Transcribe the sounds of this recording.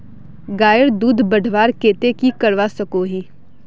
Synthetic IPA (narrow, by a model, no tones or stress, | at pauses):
ɡaːjəɾd̪uːd̪ʱbɐɖʱʋaːɾkeːt̪ekikɐɽʋasɐkoɦiː